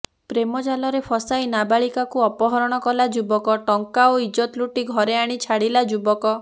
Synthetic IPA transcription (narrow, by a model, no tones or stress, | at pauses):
pɾemɔd͡ʒalɔɾepʰɔsajnabaɭikakuɔpɔɦɔɾɔɽ̃ɔkɔlad͡ʒubɔkɔʈɔŋkaoid͡ʒɔt̪luʈiɡʱɔɾeaɽ̃it͡ʃʰaɽilad͡ʒubɔkɔ